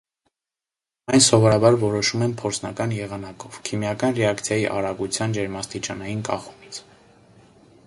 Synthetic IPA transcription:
ɑjnsɔvɔɾɑbɑɾvɔɾɔʃumɛnpʰɔɾt͡sʰnɑkɑnjɛʁɑnɑkɔv̥kʰimjɑkɑnrɛɑkt͡sʰjɑjiʔɑɾɑɡut͡sʰjɑnd͡ʒɛɾmɑst̪it͡ʃɑnɑjinkɑ̰χu̥mit͡sʰ

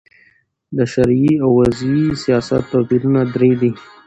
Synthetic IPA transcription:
d̪əʃaɾiawːazisijɑsa̰t̪ːapiɾunad̪ɾed̪i

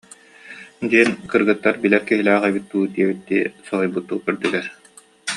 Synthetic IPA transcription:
d̪iɛnkɯɾɡɯt̪ːaɾbilɛɾkiɦilæːʁɛbit̪̚ːuːd̪iɛbit̪ːisɔɦɔjbut̪ːuːkɯɾd̪yɡɛɾ

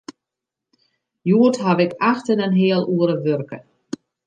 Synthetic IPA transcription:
juətɦaʋɪkʰaxtənənɦeəlˠuəɾəʋørkə

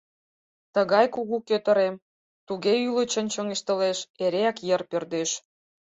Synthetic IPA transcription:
t̪əɣɑjkuɣukøt̪ə̆ɾem | t̪uɣeylə̆t͡ɕə̆nt͡ɕəŋeʃt̪ə̆leʃeɾeɑkjərpørd̪eʃ

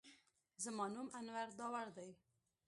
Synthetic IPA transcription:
zəmɑnumanwaɾd̪ɑwaɾd̪aj

